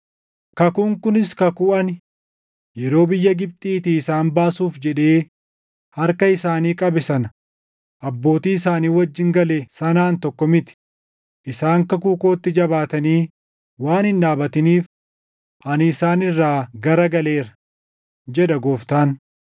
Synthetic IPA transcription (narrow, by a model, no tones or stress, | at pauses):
kɐkʊŋkʊnɪskɐkuʔɐnɪ | jɛɾo̞ːbɪjːɐɡɪb̚t̪ʼiːt̪iːɪsaːnbaːsuːfd͡ʒɛᶑe̞ː | hɐɾkɐɪsaːniːkʼɐbɪsɐn | ʔɐbːo̞ːt̪iːɪsaːniːwɐd͡ʒːɪŋɡɐlɛsɐnaːnt̪ɔkːɔmɪt̪ɪ̥ | ʔɪsaːŋkɐk̬uːko̞ːt̪ːɪd͡ʒɐbaːt̪ɐniː | waːnhɪnᶑaːbɐt̪ɪniːf | ʔɐnɪsaːnɪrːaːɡɐɾɐɡɐle̞ːɾɐ̥ | d͡ʒɛᶑɐɡoːft̪aːn